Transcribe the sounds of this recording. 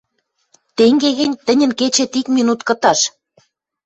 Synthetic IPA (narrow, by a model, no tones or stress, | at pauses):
t̪eŋɡeɣɘ̆nʲt̪ə̆nʲə̆nket͡ɕet̪ikminut̪kɤ̆t̪ɑʃ